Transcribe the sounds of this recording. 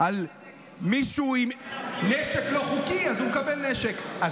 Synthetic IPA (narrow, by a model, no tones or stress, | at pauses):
al | miʃuimneʃeklo̞χukiazumkabelneʃeka